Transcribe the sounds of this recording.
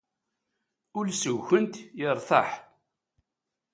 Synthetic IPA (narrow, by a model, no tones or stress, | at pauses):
ʊlsəwːənt̪jəɾˤθɑħ